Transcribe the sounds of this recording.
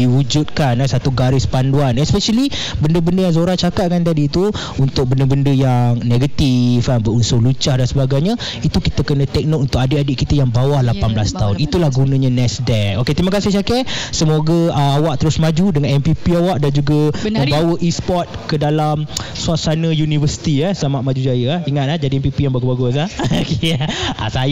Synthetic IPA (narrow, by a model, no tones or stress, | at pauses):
iwud͡ʒut̪̚kanasat̪uɡaɾɪspanduanɛspɛʃəli | bəndəbəndəjaŋzoɾaht͡ʃakat̪̚kant̪adiːt̪u | unt̪ʊk̚bəndəbəndəjaŋneɡət̪ifkanbəɾunsʊhlut͡ʃahdansəbaɡajɲə | it̪ukit̪əkənə̃t̪ɛk̚nɔʔunt̪ʊk̚adəʔadiʔkit̪əjaŋbawahlapanblast̪aʊnit̪ulahɡunə̃ɲə̃nɛsdɛoket̪imakasɪht͡ʃakɛʔsəmoɡaəawaʔ̚t̪əɾʊsmãd͡ʒudəŋanɛmpipiawaʔdand͡ʒuɡamə̃mbawəʔispɔt̪̚kədalamsuasanə̃junivəsi̥t̪iahsəlamaʔmad͡ʒud͡ʒajəahiŋat̪̚lahd͡ʒadiɛmpipijaŋbaɡubaɡʊs̬lahkea̰sa